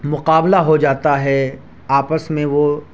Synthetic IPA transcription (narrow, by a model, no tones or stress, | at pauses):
mʊqaːblaɦod͡ʒaːt̪aɦɛ | aːpəsmẽʋo